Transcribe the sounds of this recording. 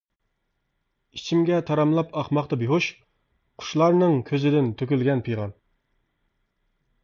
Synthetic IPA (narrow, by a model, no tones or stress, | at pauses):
it͡ʃʰimɡʲɛt̪ʰɑɾɑmlˠɑpɑχmɑχt̪ɑbiɦuʃ | qʰʊ̥ʃlˠɑɾnɨŋkʲʰøzɪd̪ɪnt̪ʰøkʲylɡʲɛnpʰijʁɑn